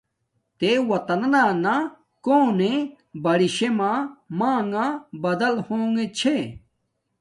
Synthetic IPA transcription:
t̪ewɐt̪ɐnɐnana | koːne | bɐɽiɕemãːmaːŋɡãbɐd̪ɐlhoːŋɡet͡ɕʰe

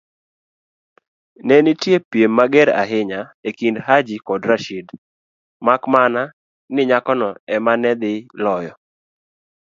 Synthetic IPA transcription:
nɛnɪtjepjemːaɡɛɾa̰ɦɪɲaekindɦad͡ʒikɔdɾaʃid | makmana | nɪɲakɔnɔɛmanɛd̪ɪlɔjɔ

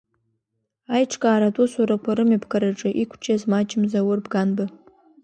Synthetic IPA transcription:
ajʈ͡ʂʰkʼaːɾadʼusuɾakʷʰaɾɨmibʰkʰaɾaʈ͡ʂʼɨʔikʷʰt͡ʃʼazmat͡ʃʼɪmzawʊrbɡanbɨ

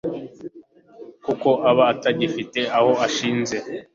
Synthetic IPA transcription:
kuko̞ʔaβaːtaɟifite̞aho̞aʃiːnze̞

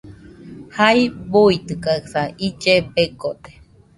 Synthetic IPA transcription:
haibuit̪ɨkaɯsaid͡ʒepekot̪e̥

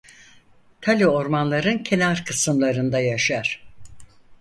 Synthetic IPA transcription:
t̪ʰalʲio̞ɾmanlˠaɾɯncʰe̞naɾkʰɯsɯmlˠaɾɯnd̪ajaʃaɾ̥

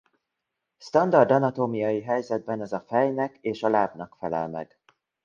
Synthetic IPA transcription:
st̪ɒnd̪ɒrd̪ɒnɒt̪oːmijɒjiɦɛjzɛd̪̚bɛnɒzɒfɛjnɛkeːʃɒlaːbnɒkfɛlɛ̰lmɛ̰ɡ̥

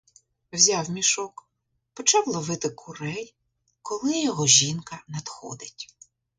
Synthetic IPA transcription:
wzʲawmʲiʃɔk | pɔt͡ʃɑwlˠɔʋɪt̪ɪkʰʊɾɛj | kɔlˠɪjɔɦɔʒʲinkɐnɐd̪xɔ̰d̪ɪtʲ

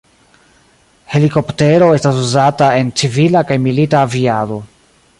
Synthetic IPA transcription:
he̞liko̞pte̞ɾo̞e̞stasuzatae̞nt͡sivilakajmilitaːviado̞

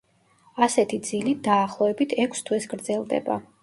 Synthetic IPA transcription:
asɛt̪ʰid̪zilid̪aːχlˠɔɛbit̪ʰɛkʷʰst̪ʰwɛsɡɾd̪zɛlˠd̪ɛ̰ba̰

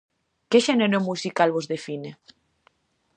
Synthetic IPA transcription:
keʃeneɾomusikalβozðefine

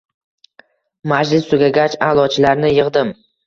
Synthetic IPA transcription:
mad͡ʒlɪsːʊɡʲaɡʲat͡ʃalˠɒt͡ʃʰɪlaɾnɪjɨʁd̪ɪm

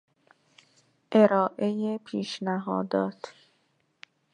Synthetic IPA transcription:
ʔe̞ɾɒːʔejepʰiːʃnæɦɒ̰ːd̪ɒːt̪ʰ

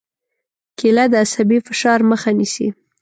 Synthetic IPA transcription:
kilad̪əasabifɪʃɑɾməxanisḭ

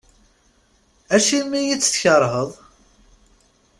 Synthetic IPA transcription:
æʃimijit͡sːθçəɾˤɦəðˤ

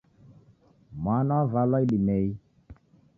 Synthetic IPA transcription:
manvalɔiɗimɛi

